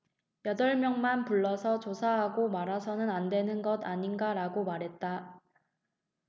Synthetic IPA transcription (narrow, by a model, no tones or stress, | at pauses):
jʌdʌɭmjʌŋmanpuɭːʌsʰʌt͡ɕosʰaɦaɡomaɾasʰʌnɯnandwe̞nɯnɡʌdaɲinɡaɾaɡomaɾɦe̞t̚t͈a